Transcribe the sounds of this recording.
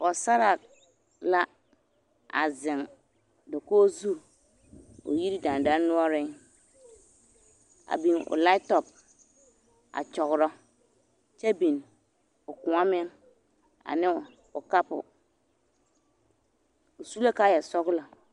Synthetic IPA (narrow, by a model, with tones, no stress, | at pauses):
ɔ˨sa˦ɾa˨ | la˦ | a̰˨zɪ̃˨n | dɔ˨koː˦zu˦ɾ | o̰˨ji˦ɾi˦dã˨n˨dã˦n˦nʊ̃˦ɔ˦ɾɪ̃˦n | a̰˨bĩ˨nɔ̰˨la˦ɪ˦tɔ˨b̚ | a̰˨t͡ʃɔ˨ɣʊ˨ɾɔ˦ | t͡ʃɛ˦bĩ˨n | ɔ˨kʊ̃˨a˦mɪ̃˦n | a̰˨nɪ̃˦ | ɔ˨ka˦pʊ̰˨ | o˨su˦la˦ka˦jɛ˨sɔ˦ɡla˨